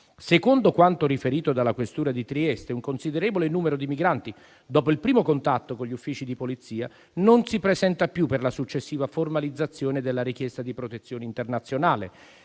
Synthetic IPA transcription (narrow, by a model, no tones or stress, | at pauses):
sekond̪okwant̪oɾifeɾiːt̪od̪alːakwest̪uːɾad̪it̪ɾiɛst̪euŋkonsid̪eɾeːvolenuːmeɾod̪imiɡɾant̪i | d̪ɔːpoilpɾiːmokont̪at̪ːokonʎːufːiːt͡ʃid̪ipolit̪sːiːa | nonsipɾezɛnt̪apjupːerlasut͡ʃːesːiːvaformalid̪zːat̪sːjoːned̪elːaɾik̟jɛst̪ad̪ipɾot̪et̪sːjoːneint̪ernat̪sːjonaːlḛ